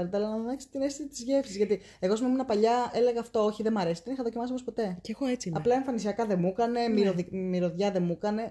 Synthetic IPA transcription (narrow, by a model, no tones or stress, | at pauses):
ɾet̪eɐlɐnɐðonɐç̥se̥t̪inest̪isit̪izʝefsizʝɐt̪i | e̞ɣo̞smemunɐpɐʎɐe̞le̞ɣɐːft̪o̞oçiðemɐɾe̞se̥t̪enixɐðocimɐsiomspo̞t̪e̞ceexoet͡siɐplɐe̞ɱfɐnisiɐkɐðe̞mukɐne̞miɾoðimiɾo̞ðʝɐðe̞mukɐne̞